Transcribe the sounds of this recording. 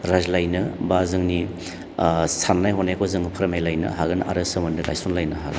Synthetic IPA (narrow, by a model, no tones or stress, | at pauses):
ɾazlajnɯbazɯŋni | sannːajɦɔnajkʰozɯŋpʰɐɾɐmajlajnɯ̰ɦaɡɯna̰ɾɯsɯmɐndɯɡa̰jsonlajnɐɦa̰